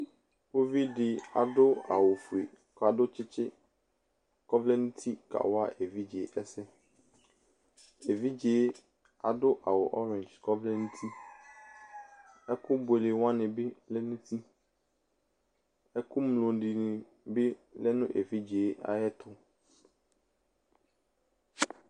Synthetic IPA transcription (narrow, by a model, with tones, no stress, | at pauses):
wo˦vi˦ɖɪ˨a̰˨dʊ˦a̰˨wo˨fu˨e˨ | ka˨dʊ˦t͡ʃɪ˦t͡ʃɪ˦ | kɔ˦vlɛ˦nũ˦t̪ʰi˦ka̰˨wa˦ʔe˨vi˦d͡ʒe˨˦ʔɛ˦sɛ˦ | e˨vi˦d͡ʒe˨˦ | a˨dʊ˦ʔa˨wo˨ʔɔ˦ɾɛ̃˨nd͡ʒkɔ˦vlɛ˦nũ˦t̪ʰi˦ | ɛ˦kʊ˦bʊ˨e˨le˨wã˦nɪ̃˨be˦lɛ˦nũ˦t̪ʰi˦ | ɛ˦kʊ˦mlo˨ɖi˨nɪ̃˨ | be˦lɛ˦nʊ̃˦ʔe˨vi˦d͡ʒe˨˦a̰˨jɛ˦t̪ʊ˦